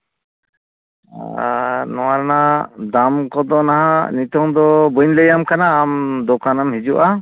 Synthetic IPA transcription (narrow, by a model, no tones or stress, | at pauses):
nɔwaɾnad̪amkɔd̪ɔnaɦanit̪ɔŋd̪ɔbuɲləjamkanaːmd̪ɔkanamhid͡ʒuʔa